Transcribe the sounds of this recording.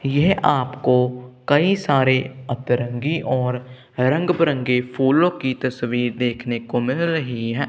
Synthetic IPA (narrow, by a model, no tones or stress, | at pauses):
jɛɦʔaːpkokɐisaːɾeɐt̪ɾə̃ŋɡiʔɔːɾ | ɾɐ̃ŋɡbɾə̃ŋɡepʰuːlõkit̪ɐsʋiːɾd̪eːkʰnekomɪlɾəɦiɦɛ̃ː